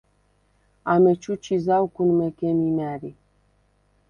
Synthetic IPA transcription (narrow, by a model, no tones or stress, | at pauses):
amet͡ʃut͡ʃizawkunmekemimaɾi